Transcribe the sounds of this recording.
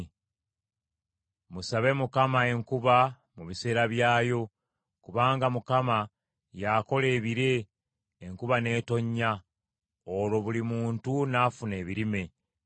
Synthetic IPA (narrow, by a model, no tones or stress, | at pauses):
musaβe̞mukamae̞ŋkuβa | muβise̞ːɾaβjaːjo̞ | kuβaːŋɡamukama | jako̞le̞ːβiɾe̞ː | ŋkuβane̞ːto̞ɲːa | olo̞βulimuːntunaːfune̞ːβiɾime̞